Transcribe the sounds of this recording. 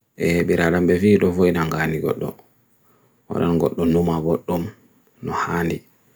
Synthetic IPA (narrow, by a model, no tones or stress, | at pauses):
ʔɛɓiɾaɗambɛfiːɗɔfoinaŋɡaːniɡɔ̰ɗːɔ̰ | wa̰ɗanɡɔɗːɔnumaɡɔɗːɔm | nɔhaːndi